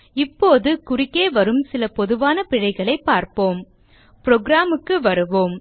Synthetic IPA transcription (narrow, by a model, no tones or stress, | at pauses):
ɪpːoːðɯkʊrɪkːeːʋɐɾɯmsɪlɐpɔðɯʋaːnɐpɪɻɐɪɣɐɭɐɪpːaːɾpoːm | pɾoːɡɾaːmɯkːɯʋɐɾɯʋoːm